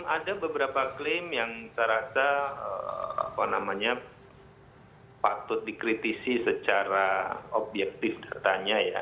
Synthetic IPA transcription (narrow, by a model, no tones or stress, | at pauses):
ŋadabəbəɾapaklɪmjaŋsəɾasaə̰a̰panamaɲa | pat̪ʊt̪̚dikɾit̪isisət͡ʃaɾaobjɛk̚t̪ɪfdat̪aɲaja̰